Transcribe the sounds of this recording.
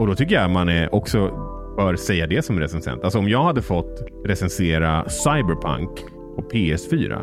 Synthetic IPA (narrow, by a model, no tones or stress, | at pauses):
ɔd̪ɔt̪ʰʏkːəjamanɛʔɔksɔ | b̥œːɾsɛjːad̪ɛsɔmɾɛsɛnsɛ̰nt̪alsɔɔmjɑːɡhad̪ːəfɔt̪ː | ɾɛsɛnseːɾasajbɛɾpʰa̰ŋk | pʰɔpʰeːɛsfyːɾa̰